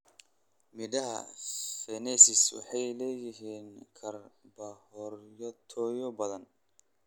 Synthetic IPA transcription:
mɪðɐɦɐ̰fɛnɛsɪswɑ̰ħɑjlɛːjɪɦiːnkʰɐrbɐhɔrjɔt̪ʰɔːjɔbɐðɐn

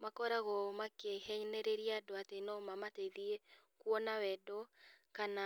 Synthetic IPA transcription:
makɔɾaɣɔmakehɛɲnɛɾeɾiadoatenɔmamateðiekwɔnawɛdɔkana

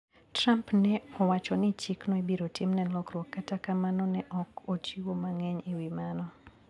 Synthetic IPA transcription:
trampnɛɔwat͡ʃɔnɪt͡ʃɪknɔebiɾotɪmnɛlɔkrwɔkːatakamanɔnɛʔɔkot͡ʃiwomaŋɛɲiwimanɔ

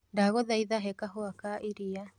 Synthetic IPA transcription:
daɣɔðaiðaɦɛkaɦoakaʔiɾia

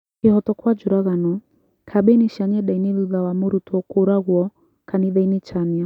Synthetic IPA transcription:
kihɔtɔkwad͡ʒuɾaɣanɔ | kʰaɓɛniʃaɲɛɗainiluðawamuɾutuɔkuɾaɣuɔ | kaniðainit͡ʃamia

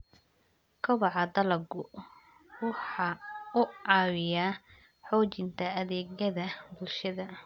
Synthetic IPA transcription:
kʰɐβɑʕɑd̪ɐlɐɡʊ | wʊħɑːʊɑːwɪjaː | ħɔːt͡ʃɪnt̪ʰɐɐðɛːɣjɐðɐbʊlʃɐðɐ

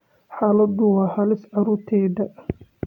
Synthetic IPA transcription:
ħaːlɐd̪ʊwɑːhɐlɪsʕɑɾuːɾt̪ʰɛːdɐ

